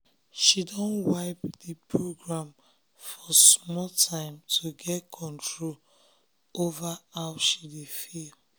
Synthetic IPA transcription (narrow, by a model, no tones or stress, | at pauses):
ʃidɔ̃nwaɪpdipʰɹoɡɹãm | fɔsmɔltʰãɪ̃mtʰuɡɛtkʰɔ̃ntʰɹol | ovaawʃidefil